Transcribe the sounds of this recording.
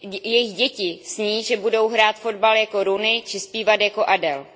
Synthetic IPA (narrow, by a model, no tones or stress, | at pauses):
jɛjɪxɟɛcɪsɲiːʒɛbudo̞wɦɾaːt̪fo̞dbaljako̞ɾunɪt͡ʃɪspiːvat̪jako̞ʔadɛl